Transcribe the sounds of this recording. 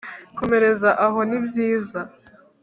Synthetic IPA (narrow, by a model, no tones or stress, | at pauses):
ko̞me̞ɾe̞zaʔaɦo̞nibjiːza